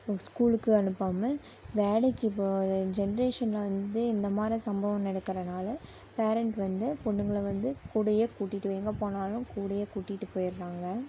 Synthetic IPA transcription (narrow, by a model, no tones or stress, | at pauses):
skuːlɯkːɯɐnɯpːaːmɐ | ʋeːɽɐkːɯɪpːod͡ʒɛnɐɾeːʂɐnlɐʋɐnd̪ɯɪnd̪ɐmaːd̪ɾisɐmbɐʋɐ̃mnɛɽɐkːɪɾɐnaːlɐ | peːɾɐɳʈʋɐnd̪ɯpɔɳːɯŋɡɐɭɐʋɐnd̪ɯkuːɽɐjekuːʈːɪʈːɯʋeːŋɡɐpoːnaːlʊ̃kuːɽɐjekuːʈːɪʈːɯpoːjɪɾɾaːŋɡɐ